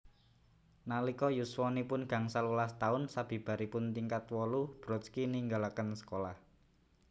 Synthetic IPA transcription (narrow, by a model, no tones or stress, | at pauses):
nalikɔjuswɔnipʊnɡ̥a̤ŋsalulast̪aʊnsab̥i̤b̥a̤ɾipʊnt̪iŋkat̪wɔlub̥ɾɔt̪skiniŋɡalakənsə̥kolah